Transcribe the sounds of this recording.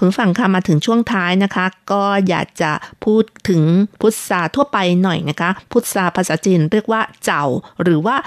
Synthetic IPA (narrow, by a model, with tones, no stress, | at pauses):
kʰu˧˦n˩fa˧ŋkʰa˥˩maː˧t̪ʰɯ˩˦ŋt͡ɕʰu˥˩əŋt̪ʰaː˦˥jna˦˥kʰa˦˥kɔː˥˩ja̰ː˨˩k̚t͡ɕa˨˩pʰuː˥˩t̪ʰːɯ˨˩˦ŋpʰu˦˥t̪̚saː˧t̪ʰu˥˩ɐpa˧jnɔ˨˩jna˦˥kʰa˦˥pʰu˦˥t̪̚saː˧pʰaː˧˥saː˨˦t͡ɕiː˧nɾɯ˥˩ək̚waː˥˩t͡ɕa˨˩wɾɯː˩˦waː˥˩